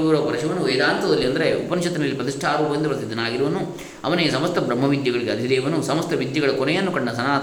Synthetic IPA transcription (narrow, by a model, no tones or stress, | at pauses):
ʋiɾɐpɐɾɐʃɐʋɐnuʋeːd̪aːnt̪ɐd̪ɐlːiɐnd̪ɐɾeṵpɐnʃɐt̪ːinɐlːipɾɐt̪̬iʂʈʰaːɾoːpɐɐnd̪ɐpɐɾɐt̪id̪ɐnaːɡiɾuʋɐnu | ɐ̰ʋɐnejɐsɐmɐst̪ɐbɾɐmːɐʋid̪jɐɡɐɭiɡeɐd̪id̪eːʋɐnusɐmɐst̪ʰɐʋid̪jɐɡɐɭɐkɔnɛjɐnːukɐɳːɐsɐnaː